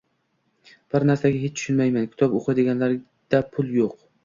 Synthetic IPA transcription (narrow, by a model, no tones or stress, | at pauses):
b̥ɪɾnaɾsaɡʲaɦet͡ʃt̪ʰʊ̥ʃɪnmajmankʲʰɪ̥t̪ʰɒpoqʰɨd̪ɪɡʲanlaɾ | d̪̥apʰʊlˠjoq